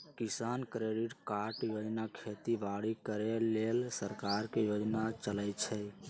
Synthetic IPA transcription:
kisankɾeɖiʈkaɾʈjod͡ʒnakʰet̪ibaɽikəɾelelsəɾkaɾkejod͡ʒnat͡ʃələjt͡ʃʰɛ

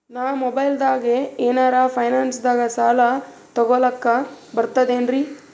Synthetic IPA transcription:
naːmobɐjld̪aːɡeeːnaːɾaːpʰɐjnaːnsd̪aːɡɐsaːlɐ | t̪ɔɡɔlɐkːɐbɐɾt̪ɐd̪eːnɾi

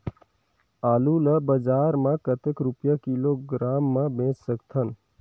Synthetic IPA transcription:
aːluləbəd͡ʒaːɾmãkət̪ekɾʊpjakiloɡɾaːmːãbẽːt͡ʃsəkt̪ʰən

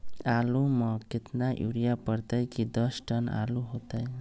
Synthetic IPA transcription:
aluməkɪt̪naʔjṵɾijapəɾt̪əjkid̪əsʈəna̰luɦot̪əj

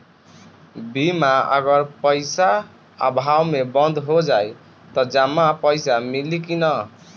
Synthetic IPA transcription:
bimaʌ̰ɡʌɾpʌjsa̰ː | bʱawmebʌnd̪ʱɦod͡ʒaj | t̪ʌd͡ʒamːapʌjsamilikinʌ

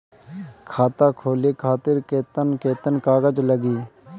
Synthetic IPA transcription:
kʰaːt̪ãːkʰoːleːkʰaːt̪ɪɾkeːt̪ənkeːt̪ənkaːɡəd͡ʒləɡiː

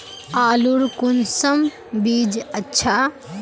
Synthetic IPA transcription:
aːluɾkunsɐm | biːd͡ʒɐtːʰa

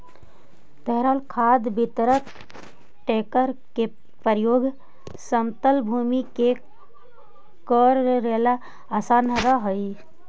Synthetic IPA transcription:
t̪əɦɾalkʰad̪bit̪ɾək | ʈekəɾke | pəɾjoːɡʱ | səmt̪əlbʱumike | kəɾːelaː | sanɾəɦəj

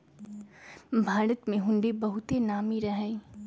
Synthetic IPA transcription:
bʱaːɾət̪mẽɦʊ̃ɳɖebɐɦʊt̪enaːmiɾɐɦɛː

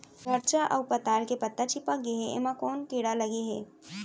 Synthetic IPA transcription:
ʋʱəɾt͡ʃaʔə̰wpət̪aːlkepət̪ːat͡ʃipək̚ɡeɦeʔḛmãkoːnkiɽaləɡeɦe

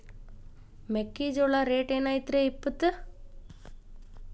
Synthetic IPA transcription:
mekːiːd͡ʒoɭaɾeːʈeːnaːjit̪ɾeipːɐt̪ːɨ

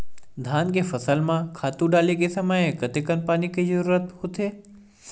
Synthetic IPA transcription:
d̪ʱaːnk̬efɐsəlmãkʰaːt̪ũɖaːlek̬esɐməjkɐt̪ekənpaːnikizəɾuːɾət̪hot̪ʰeː

